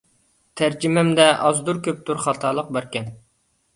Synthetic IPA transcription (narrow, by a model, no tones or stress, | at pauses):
t̪ʰæɾd͡ʒimɛmd̪ɛʔɑzd̪uɾkʲøp̚t̪ʰuɾχɑt̪ʰɑlˠəq̚bæɾkʲɛn